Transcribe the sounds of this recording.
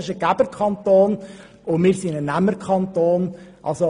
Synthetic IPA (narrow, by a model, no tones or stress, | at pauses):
ɪʃəɡ̥æb̥əɾkʰɑnt̪oːn | ʊmɪːɾsɪnənæmːəɾkʰχɑnt̪oːnʔɑ̰lso